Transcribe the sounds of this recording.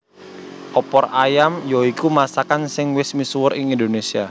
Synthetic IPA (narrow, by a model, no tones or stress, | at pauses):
ʔɔpɔrajamjoikumasakansɪŋwɪsmisuwəɾɪŋindonesia